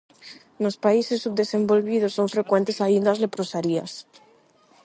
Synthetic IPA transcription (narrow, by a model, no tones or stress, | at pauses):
nospaisesːubd̪esẽmbolβið̞osːoɱfɾekwent̪esaind̪azlepɾosaɾia̰s